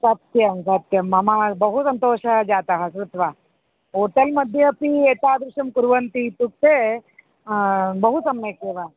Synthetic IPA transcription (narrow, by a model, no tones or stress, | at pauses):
sɐt̪jɐmsɐt̪jɐmːɐmabɐɦusɐnt̪oːʃɐd͡ʒaːt̪ɐɦɐsɾut̪ʋa | oːʈɐlmɐd̪ʱjɐpiet̪aːd̪ɾuʂɐmkuɾʋɐnt̪it̪uk̚t̪e | bɐɦusɐmːekeːʋa